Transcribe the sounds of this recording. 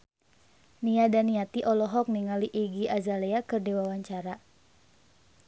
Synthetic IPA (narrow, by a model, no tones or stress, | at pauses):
niadaniat̪iʔɔlɔɦɔk̚niŋaliʔiɡiazaleakɨrdiwawaɲt͡ʃaɾa